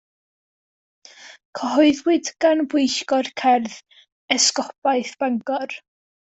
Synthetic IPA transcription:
kʰəɦɔɨðwɪdɡanbwɪjɬkɔrkʰɛrð | ɛskɔpajθb̥aŋɡɔr

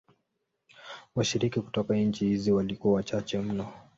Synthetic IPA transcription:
waʃiɾikiku̥tɔkaɲ̩t͡ʃihiziwalikuawat͡ʃat͡ʃɛm̩nɔ

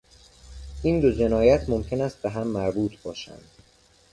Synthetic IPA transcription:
ʔiːnd̪od͡ʒe̞nɒːjæt̪ʰmo̞mcʰe̞næːst̪̚beɦæmːæɾbuːt̪ʰbɒːʃæ̰nd̪̥

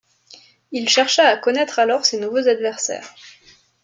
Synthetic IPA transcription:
ilʃɛʁʃaːkɔnɛt̪χalɔʁsenuvozad̪vɛʁsɛ̰ːʁ

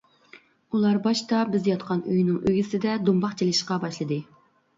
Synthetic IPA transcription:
ulˠɑɾbɑʃt̪ɑbɪzjɑt̪qʰɑnøjnɪŋøɡʲisɪd̪ɛd̪umbɑχt͡ʃʰelɪʃqɑbɑʃlˠɨd̪ɨ

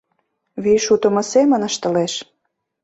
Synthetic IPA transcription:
βiʃut̪ə̆mɤ̆semə̆nə̆ʃt̪ə̆leʃ

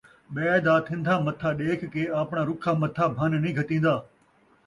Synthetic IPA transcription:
ɓɛːd̪aːt̪ʰɪ̃nd̪ʱaːmɐt̪ʰaːɗeːkʰːeːaːpɳaːɾʊkʰaːmɐt̪ʰaːbʱənnĩːɡʱɐt̪ĩːnd̪aː

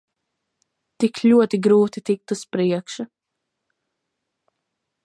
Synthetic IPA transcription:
t̪ikʰluɔt̪iɡɾuːt̪it̪ik̚t̪uspɾiɛkʃɐ

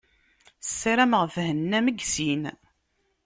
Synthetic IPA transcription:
sːiɾæmʁfhənːæməɡsin

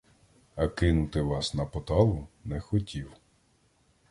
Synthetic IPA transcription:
ɐkɪnʊt̪ɪʋɑsnɐpɔt̪ɑlˠʊnɛxɔtʲiw

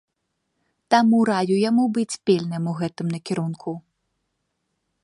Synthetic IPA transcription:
t̪amuɾajujamubɨt͡sʲpʲɛlʲnɨmuɣɛt̪ɨmnɐkʲiɾunkʰu

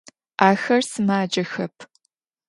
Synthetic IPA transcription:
aːxɐrsɨmaːd͡ʒɐxɐpʰ

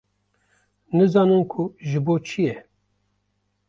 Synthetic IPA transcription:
nɨzɑːnɨnkʰuʒɨboːt͡ʃʰijɛ

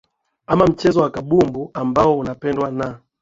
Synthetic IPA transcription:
amam̩t͡ʃɛzɔwakaɓumbuambaɔunapɛndwana

